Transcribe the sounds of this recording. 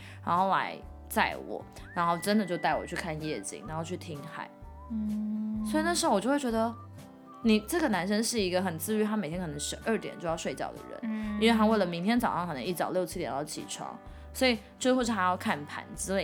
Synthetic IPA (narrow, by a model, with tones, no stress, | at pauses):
ɻa˧˥nxo˥˩ʊla̰˧˥ɪ | t͡sa˥˩ɪwɔ̰˨˩˦ | ɻa˧˥nxo˥˩ʊʈ͡ʂə˦˥nd̪ə˨t͡ɕjo˥˧ʊt̪a˥˩ɪwɔ̰˨˩t͡ɕʰy˥˩kʰa˥˧njɛ˥˩t͡ɕḭ˨˩ŋɻa˧˥nxo˥˧ʊt͡ɕʰy˥˩t̪ʰi˥ŋxa̰˧˩˦ɪ˥ | swɔ˧˥i˨˩na˥˩ʂ̩˧˥o˥˩wt͡ɕjʊwt͡ɕɥɛ˧˥d̪ə˧ | ni˨˩ʈ͡ʂɤ˥˩ɡə˩na˧˥nʂə˥nʂɻ̩˥˩i˧˥ɡə˧xə˨˩nt͡sɹ̩˥˧y˥t̪ʰa˥me˨˩t̪ʰjɛ˥kʰɤ˨˩ɤ˧˥ŋʂ̩˧˥ʔə˞˥˩t̪jɛ̰˨˩nt͡ɕjo˥˧ʊjɑ˥˧ʊʂwe˥˧ɪt͡ɕjɑ̰˥˩ʊd̪ə̰˩ɻə̰˧˦ni˥nwe˥˧ɪa˥we˥˩lə˩mi˧˥ŋt̪ʰjɛ˥nt͡sɑ˨ʊʂɑ˥ŋkɤ˨˩nɤ˧˥ŋi˥˩t͡sɑ˨˩ʊljo˥˩ʊt͡ɕʰi˥t̪jɛ˨˩ɑ˥˩ʊt͡ɕʰḭ˨˩ʈ͡ʂʰwɑ̰˧˥ŋ | swɔ˧˥i˨˩ | ʈ͡ʂwɪxo˥˧ʂ̬̩ʰ˥˩a˥jɑ˥˧ʊkʰa˥˩npʰa̰˨˧˩nt͡sɹ̩˥le˥˩